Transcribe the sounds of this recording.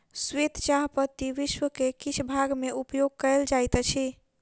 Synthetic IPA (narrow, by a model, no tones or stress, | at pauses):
swet̪t͡ʃaɦpət̪iʋiʃwəkekit͡ʃʰbʱaɡmeʔupjoɡ̚kəld͡ʒajt̪t͡ʃʰi